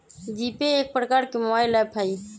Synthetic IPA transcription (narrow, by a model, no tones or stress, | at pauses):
d̪iːpeeːk̚pəɾkaːɾkemʊaːilaːpʰaiː